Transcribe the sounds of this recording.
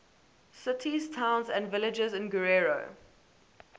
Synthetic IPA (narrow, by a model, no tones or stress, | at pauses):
sɪtʰiz̥tʰãʊ̃nzæ̃ndvɪlɪd͡ʒəzɪ̃nɡəɹeɹo̰